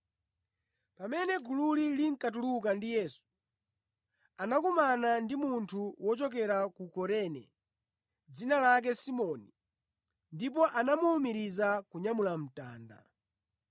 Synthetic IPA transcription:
pamɛnɛɡululiliŋ̩katulukandijɛsu̥ | anakumanandimuntʰuwɔt͡ʃɔk̬ɛɾakukɔɾɛnɛ̰ | d͡zinalak̬ɛsimɔni | ndip̬ɔʔanamuːmiɾizakuɲamulam̩ta̰ːnda̰

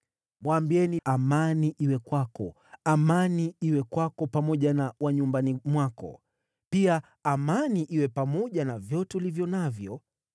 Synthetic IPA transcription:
mwambiɛniamaniʔiwɛkwakɔ | amaniiwɛkwakɔpamɔʄanawaɲumbanimwakɔ̰ | piaː | maniʔiwɛpamɔʄanavjɔtɛulivjɔnavjɔ

